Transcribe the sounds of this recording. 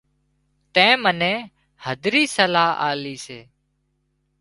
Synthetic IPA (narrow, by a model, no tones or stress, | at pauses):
t̪ɛ̃ːmənẽː | həd̪ɾiːsəlaːʔa̰ːliːseː